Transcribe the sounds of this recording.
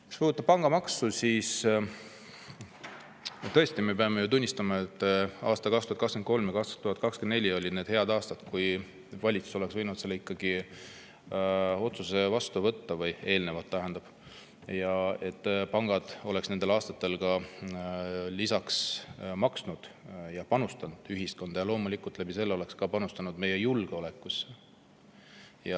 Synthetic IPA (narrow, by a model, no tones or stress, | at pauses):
ku̥spuːut̪ːɑb̥̚pɑŋɡ̥ɑmɑksusiːs | t̪ɤ̞est̪imepeɑme̞jut̪unʲːist̪ɑmɑet̪ːˑɑːst̪ɑkɑkst̪uɑt̪kɑkskenko̞lmjɑɡɑst̪ɑ̥t̪uhɑt̪̚ːkɑkskene̞lʲːio̞lʲid̪ne̞ːd̪he̞ɑd̪ɑːst̪ɑt̪kuj | vɑlʲit̪su̥so̞le̞ksvɤjnut̪selːikːɑɡ̥i | o̞t̪suse̞vɑst̪uvɤt̪ːɑvɤje̞ːlne̞vɑt̪ːæɦe̞nd̪̥ɑb̥ | jɑe̞t̪ːpɑŋɡ̥ɑd̪̥o̞le̞ksne̞nd̪e̞lɑːst̪ɑt̪ːe̞lɡɑ | lisɑksmɑksnud̪̥jɑpɑnust̪ɑnd̪̥yɦisko̞nd̪̥ɑjɑlo̞ːmulʲikːˑult̪læbise̞lːeo̞le̞kskɑpɑnust̪ɑnud̪me̞je̞julɡ̥eo̞le̞kˑːusːe | jɑ